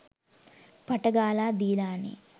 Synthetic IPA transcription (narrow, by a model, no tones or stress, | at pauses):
pɐʈɐɡaːlaːd̪iːlaːnḭ